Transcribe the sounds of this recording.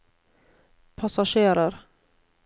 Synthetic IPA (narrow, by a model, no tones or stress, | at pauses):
pʰasaʂeːɾəɾ